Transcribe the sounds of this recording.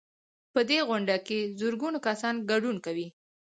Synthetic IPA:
pəd̪eɣʊɳɖakezʊɾɡunakasɑnɡaɖunkawi

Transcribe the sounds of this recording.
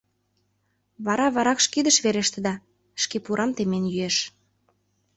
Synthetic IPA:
βɑɾɑβɑɾɑkʃkid̪ə̆ʃβeɾeʃt̪ə̆d̪ɑ | ʃkepuɾʔɑmt̪emenjyeʃ

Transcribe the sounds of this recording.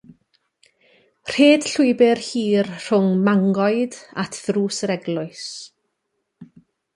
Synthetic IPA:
r̥eːd̥ɬʊɨbɪrhiːrr̥ʊŋmaŋɡɔɨdatʰðruːsɾɛɡlˠʊɨs

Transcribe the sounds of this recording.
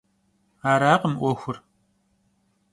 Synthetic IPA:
aːɾaːqəmʔʷɔxʷʊr

